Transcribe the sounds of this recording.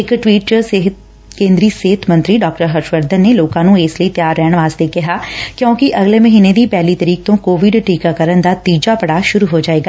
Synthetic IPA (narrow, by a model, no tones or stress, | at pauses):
ɪkʈʋiːʈseɦ̪ | kẽːnd̪ɾiːseːt̪ʰmə̃nt̪ɾiːɖɔːk̚ʈəɾɦəɾʃʋəɾd̪ənːeːloːkãːnũːeːsləiːt̪ɪjaːɾːɛːɽ̃ʋaːst̪eːkɪɦaːkjõːkiʔəɡleːməɦiːneːd̪iːpɛːliːt̪əɾiːk̚t̪õːkoːʋɪɖʈiːkaːkəɾənd̪aːt̪iːd͡ʒaːpəɽaːʃʊɾuːɦoːd͡ʒaːeːɡaː